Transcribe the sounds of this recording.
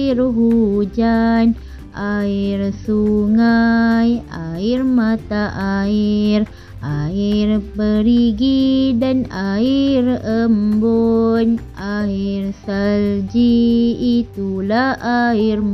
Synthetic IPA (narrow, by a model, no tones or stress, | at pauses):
irɦud͡ʒan | ʔairsuŋajairmat̪aʔair | ʔairpəɾiɡidanairəmboɲʔairsald͡ʒiː | t̪ulahʔair